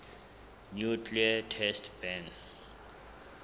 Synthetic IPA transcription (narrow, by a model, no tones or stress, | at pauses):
njukʰliatʰɛstʰbɛ̃n